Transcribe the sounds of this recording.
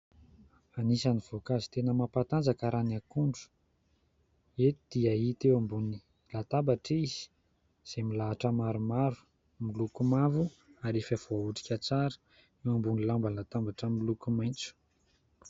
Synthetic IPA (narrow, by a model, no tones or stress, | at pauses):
anisaniv̥okazi̥t̪enəmapat̪and͡zakaɾanakuɳɖ͡ʐu̥ | et̪id̪̥iait̪ewambuni | lat̪abaʈ͡ʂiz̥i̥ | z̥emilaːʈ͡ʂəmaɾumaɾu̥ | milukumavu | aɾefav̥oauʈ͡ʂi̥kʲat͡saɾə̥ | ewambunilambəlat̪ambaʈ͡ʂəmilukumajnt͡su̥